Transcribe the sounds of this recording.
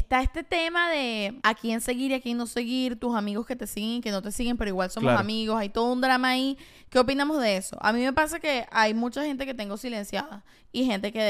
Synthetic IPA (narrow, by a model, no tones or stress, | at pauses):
est̪ae̞st̪e̞t̪e̞maðe̞akʰie̞nse̞ɣiɾiakinːo̞se̞ɣiɾt̪usamiɣoske̞t̪e̞siɣeŋikeno̞t̪e̞siɣe̞mpe̞ɾoiɣwalso̞mosamiɣosajt̪o̞ðound̪ɾamaːi | ke̞o̞p̬inamozðe̞e̞so̞̰ʔa̰mĩme̞pasake̞ʔajmũt͡ʃaxe̞nt̪e̞ke̞t̪e̞ŋɡo̞sile̞nsjaða | ihe̞nt̪e̞ke